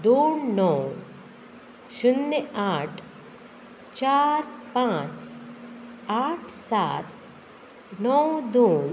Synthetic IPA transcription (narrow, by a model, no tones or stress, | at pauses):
d̪oːnnɔw | ʃunːəaːʈʰ | t͡ʃaːɾpãːt͡s | aːʈʰsaːt̪̚ | nɔwd̪oːn